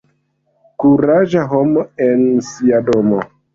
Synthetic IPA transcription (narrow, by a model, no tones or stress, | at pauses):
kuɾaʒaɦomoensiadomo